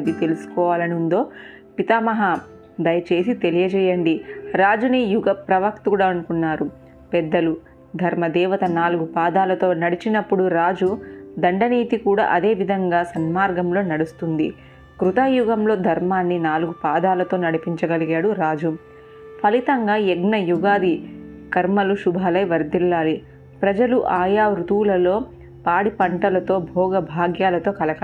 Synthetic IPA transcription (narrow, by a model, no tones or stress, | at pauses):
ɐd̪it̪e̞lusu̥kɔːʋaːlɐnund̪o̞ː | pit̪aːmɐɦɐ | d̪ɐjɐt͡ʃe̞ːsit̪e̞lijɐd͡ʒɛjɐɳɖiɾaːd͡ʒunijuɡɐpɾɐʋɐkt̪ukːɽaːɐnukunːaːɾu | pɛd̪ːɐlu | d̪ʱɐɾmɐd̪ɛːʋɐt̪ɐnaːluɡupaːd̪aːlɐt̪o̞ːnɐɽit͡ʃinɐpːuɽuɾaːd͡ʒud̪ɐɳɖɐniːt̪ikuːɽa̰ːʔɐd̪e̞ːʋid̪ʱɐŋɡaːsɐnmaːɾɡɐmlo̞ːnɐɽust̪und̪ḭ | kɾut̪aːjuɡɐmlo̞ːd̪ʱɐɾmaːnːinaːluɡupaːd̪aːlɐt̪o̞ːnɐɽipiɲt͡ʃɐɡɐliɡaːɽuɾaːd͡ʒu | pʰɐlit̪ɐŋɡaːjɛɡnɐjuɡaːd̪ikɐɾmɐluʃubʱaːlɐjʋɐɾd̪ilːaːli | pɾɐd͡ʒɐluʔaːjaːɾut̪uːlɐlo̞ː | paːɽipɐɳʈɐlɐt̪o̞ːbʱɔːɡɐbʱaːɡjaːlɐt̪o̞ːkɐlɐkɐ